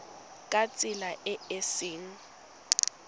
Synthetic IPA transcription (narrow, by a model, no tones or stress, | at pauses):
kʼat͡sʼɪlaʔɛesɪːŋ̩